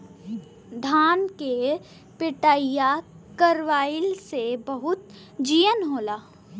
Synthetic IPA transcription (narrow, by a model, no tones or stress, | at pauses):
d̪ʱaːnke | pɪʈaːɪja | kəɾʋaːɪlsebəɦʊt̪ | d͡ʒiːjənɦoːlaː